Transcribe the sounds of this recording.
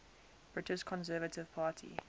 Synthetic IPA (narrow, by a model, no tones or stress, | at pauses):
b̥ɹɪtɪʃkʰɔ̃nsɜːvətɪv̥pʰaːtʰḭ